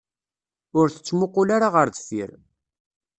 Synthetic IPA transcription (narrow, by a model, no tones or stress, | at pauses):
ʊɾθə̥t͡sːmʊqːʊlaɾaʁəɾðfiɾ